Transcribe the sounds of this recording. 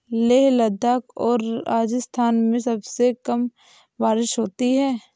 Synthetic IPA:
leːɦlɐd̪aːkɔːɾaːd͡ʒɪst̪ʰaːnmẽsɐbsekɐm | ʋaːɾɪʃɦoːt̪iɦɛː

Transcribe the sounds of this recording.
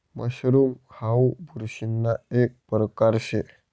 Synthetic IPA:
mə̰ɕɾumhawbʱuɾɕinːaek̚pɾəkaɾɕe

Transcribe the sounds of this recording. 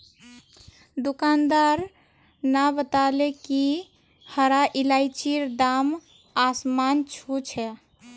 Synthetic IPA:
d̪ukand̪aɾ | nabət̪aleki | həɾaʔilajt͡ʃiɾd̪am | asmant͡ʃʰut͡ʃʰɛ

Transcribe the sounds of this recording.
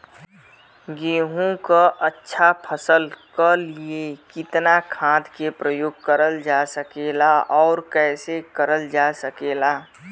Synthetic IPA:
ɡeːɦõkaʔətːʃʰapʰəsəlkəliekɪt̪nakʰãːd̪kepɾəjoːɡ̚kəɾəld͡ʒasəkeːlaʔɔːɾkɛːsekəɾəld͡ʒasəkeːlaː

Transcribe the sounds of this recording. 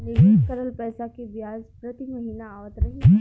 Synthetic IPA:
neɡɪʃkəɾəlpɛːsakibjaːzpɾət̪imɐɦiːnaaːʋət̪ɾɐɦi

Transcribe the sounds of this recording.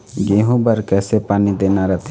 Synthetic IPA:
ɡeːɦõbəɾkɛːsepaːnid̪eːnaɾət̪ʰ

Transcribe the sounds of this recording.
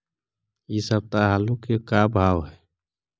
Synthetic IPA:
isəb̚t̪aɦaːlukekabʱaːwɦɛ

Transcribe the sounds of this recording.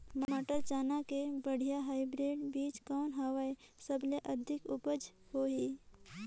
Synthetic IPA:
mmaʈəɾt͡ʃaːnakebəɽ̤ijaɦaːɪbɾeːɖbiːt͡ʃkɔːnɦaʋaesəbleʔəd̪ʱɪkʊbəd͡ʒhoɦiː

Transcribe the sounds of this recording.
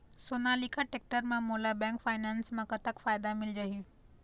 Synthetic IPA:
soːnaːlikʰaʈek̚ʈəɾmãmoːlabɛ̃ːŋkfaːɪnɛːnsmãkɐt̪əkfaːjd̪amɪld͡ʑaɦi

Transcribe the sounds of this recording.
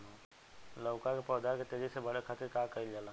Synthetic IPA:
ləʊkãkepəːd̪aket̪eɾisebəɽekʰət̪ɪɾkaːkəild͡ʒalãː

